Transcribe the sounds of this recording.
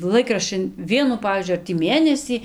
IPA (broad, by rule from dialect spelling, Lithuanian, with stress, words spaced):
ˈlˠɐɪkrɐʃʲt͡ʃʲɪn ˈʋʲiɛnʊ ˈpɑːʋʲiːzʲd͡ʒʲʊɪ ˈɐr tʲiː ˈmʲeːnʲɛsʲiː